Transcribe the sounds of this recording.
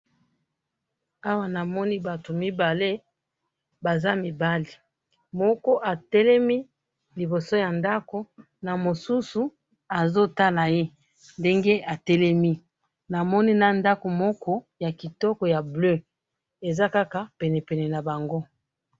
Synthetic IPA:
a˦wa˦na˨mɔ˦ni˦ba˨to˨mi˦ba˨le˦ | ba˨za˦mi˨ba˦li˨ | mɔ˦kɔ˦ʔa˨tɛ˦lɛ˦mi˦ | li˨bo˨so˦ja˨nda˦ko˦ | na˨mo˨su˦su˨ | a˨zo˦ta˦la˨je˦ | nde˦ŋɡe˦a˨tɛ˦lɛ˦mi˦ | na˨mɔ˦ni˦na˦nda˦ko˨mɔ˦kɔ˦ | ja˨ki˨tɔ˦kɔ˨ja˨blø˦ | e˨za˦ka˦ka˨pɛ˨nɛ˨pɛ˨nɛ˨na˨ba˨ŋɡo˦

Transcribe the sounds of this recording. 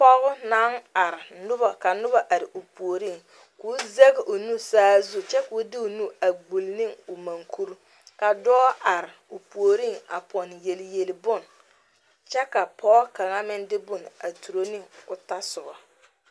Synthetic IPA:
pɔ˦ɣʊ˦na˦ŋa˨ɾɪ˨nʊ˦ba˨ka˨nʊ˦ba˦ʔa˨ɾɪ˨ʔu˨pu˨o˨ɾi˦˨ŋ | kuː˦ze˦ɡɪ˨ʊ˨nu˦saː˦zu˦t͡ʃɛ˦kʊ˨˦dɪ˦ʊ˨nu˦a˨ɡ͡bu˨lnɪ˦˨ŋʊ˨ma˨ŋkʰu˦ɾ | ka˨dɔː˦ʔa˨ɾɪ˨ʊ˨pu˨o˨ɾi˦˨ŋa̰˨pɔ˨nje˨lje˨lbʊ˦˨n | t͡ʃɛ˦ka˨pʰɔ˦ka˨ŋa˦mɪ˦ndɪ˦bʊ˨na˨tu˨ɾo˦nɪ˦˨ŋʊ˨ta˦sʊ˨ba˨

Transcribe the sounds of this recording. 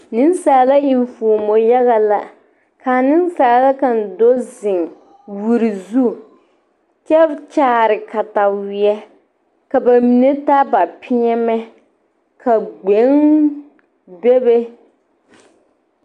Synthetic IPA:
nɪ˦nsaː˨la˦i˨ɱfuː˨mo˨ja˦ɣa˨la̰˦ | kaː˨nɪ˦n˦sa˨la˦ka˨n˨do˦zɪ˨ŋ | wu˨ɾi˨zu˦ | t͡ʃɛ˦t͡ʃaː˦˨˦ɾɪ˨ka˨ta˨wɪ˨ɛ˦ | ka˨ba˨mi˨ne˦ta˦ba˨pʰɪ˦ɲɛ˦mɛ˦ | kʰa˨ɡ͡be˨˦ŋ | be˦be˦

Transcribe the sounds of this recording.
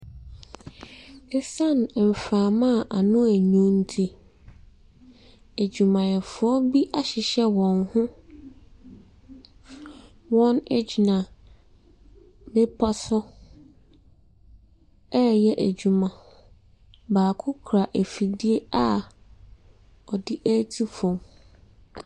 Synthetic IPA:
ɛ˦sã˦˨n˨m̩˨faː˨mã˦˨ʔa˨nʊ̃˦æ˨ɲũ˦n̩˦tʰi˦ | æ˨d͡ʑᶣu˨mã˨jɛ˨fʊ˨˦ɔ˦bi˦ʔa˦ɕɪ˨ɕɛ˦wɔ̃˨nhʊ̃˦ | wɔ̃˦nɛ˦d͡ʑi˨nã˨ | me˦pʰa˦sɔ˦ | ɛ˦˨jɛ˦ʔæ˨d͡ʑu˨mã˨ | baː˨kʰʊ˦kʰɾa˨ʔæ˨fi˨di˦e˦a˦ | ɔ˨dɪ˦ʔæ˦tʰi˦fɔ̃˨m

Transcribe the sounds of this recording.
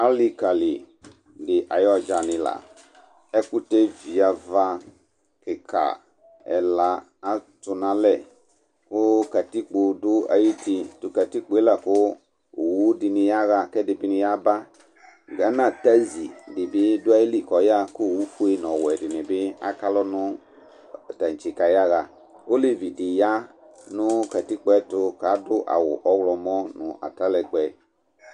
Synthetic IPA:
a˦li˦ka˨lɪ̰˨ | dɪ˨ʔa˨jɔ˦˨d͡ʒa˨nɪ̃˨la̰˨ | ɛ˦kʊ˦tɛ˦vi˨a˨va˦ | kɪ˨kʰa̰˨ | ɛ̰˨la˨ | a˦tʊ˨nã˨lɛ˦˨ | kʊ˦ka˨ti˦k͡pʊ˨dʊ˦a̰˨ji˦ti˦tʊ˨ka˨ti˦k͡pʊ˨˦e˦la˨kʊ˦˨ | wu˦dɪ˨nɪ̃˨ja˦ɣa˨kɛ˦dɪ˨bɪ˦nɪ̃˦ja˦ba˦ | ɡa˨˦nã˦˨ta˦zi˨dɪ˨bɪ˦dʊ˦a˦ji˦li˦˨kɔ˨ja˦kʊ˦˨wu˦fu˦e˦nɔ̃˨wɛ˨dɪ˨nɪ˨bɪ˦a̰˦ka˦lɔ˦nʊ˦˨ | ta˨n˨t͡ʃi˨ka˨ja˦ɣa˨ | o˦li˨vi˨dɪ˨ja˦ | nʊ˦ka˨ti˦k͡po˦ɛ˦tʊ˧ka˨˦dʊ˦ʔa̰˨wʊ̰˨ʔɔ˦wlɔ˨mɔ˦nʊ˨ʔa̰˨ta˦lɛ˨ɡ͡bɛ˨

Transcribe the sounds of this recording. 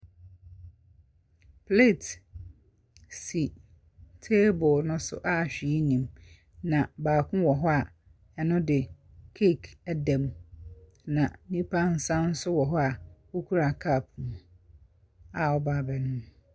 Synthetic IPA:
pʰle˦˨t | si˨ | tʰe˦bʊ˨nʊ̃˦sʊ̰˦ʔa˦˨ɕᶣi˨˦nĩ˨m | nã˨baː˨kʰʊ̃˦wɔ˨ɦɔ˦a˨ | ɛ˨nʊ̃˦dɪ˨ | kʰe˦˨kʰæ˦dɛ̃˨m | nã˨nĩ˦pʰa˦n̩˦sã˦n̩˦sʊ˦wɔ˨ɦɔ˦a˨wo˦kʰu˦ɾa˨kʰa˦˨pʰm˨ | a˨ɔ˦ba˦˨bɛ˨nʊ̃˦

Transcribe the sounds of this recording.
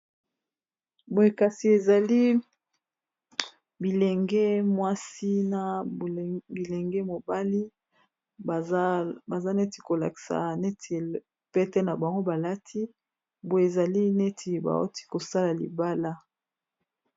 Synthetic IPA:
bo˨e˨ka˨si˨e˨za˨li˦ | bi˨le˨ŋɡɛ˦mwa˦si˦na˨ | bi˨le˨ŋɡɛ˦mo˨ba˦li˦˨˦ | ba˨za˦ne˦ti˨ko˨la̰˨ki̥˨sa̰˨ne˦te˨ | pe˦te˦na˨ba˨ŋɡo˦ba˨la˦tʰi˦ | bo˨e˨e˨za˨li˦ne˦tʰi˨ba̰˨o̰˦ti̥˦ko˨sa˦la˨lḭ˨ba˦la˦

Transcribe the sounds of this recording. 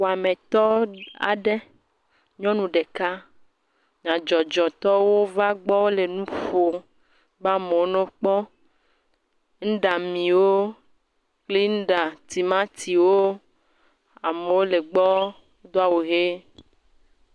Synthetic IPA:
wo˨a˨mẽ˨t̪ɔ˦a̰˨ɖe˦ | ɲɔ̃˦nũ˨ɖe˨ka˦ | ɲã˨d͡ʒɔ˨d͡ʒɔ˨t̪ɔ˦wo˦va˦ɡ͡bɔ˦le˨nũ˦fo˨ | ba˦me˨wo˦nɔ̃˦k͡pɔ˦ | ŋ̩˦ɖa˨mĩ˨wo˦ | kli˦ñ̩˦ɖa˨t̪i˨mã˦t̪ʰi˨wo˦ | a˨me˨wo˦le˨ɡ͡bɔ˦ | d̪o˦a˦˨wo˨ɣe˦

